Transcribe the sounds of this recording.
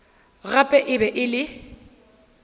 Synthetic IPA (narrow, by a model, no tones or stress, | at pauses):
ɣapʼɛʔɪbɛʔɪlɪ